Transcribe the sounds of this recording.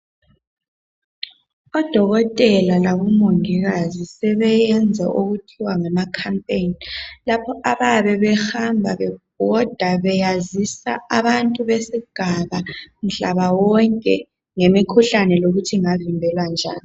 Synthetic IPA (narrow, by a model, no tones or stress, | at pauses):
ɔd̥ʱɔɣɔtʼɛlalaβumoŋiɣazisɛβɛjɛnd͡zʱɛ̰ʔoɣutʰiwaŋamakʰampʼenilapʰɔʔaβaβɛβɛhambʱaβɛb̥̚ʱɔd̥ʱaβɛjazisa̰aβantʼuβesiɡ̥ʱaβam̩ɬaβawɔŋkʼɛ | ŋemikʰuɬanɛloɣutʰiŋavimbʱɛlwand͡ʒʱa̰ːni